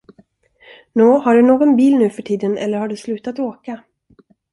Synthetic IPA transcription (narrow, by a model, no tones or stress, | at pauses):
noːhaɖɵnoːɡɔnbiːlnʉ̟ːfœʈʰiːd̪ənɛ̰lːəɾhaɖɵslʉ̟ːt̪at̪oːka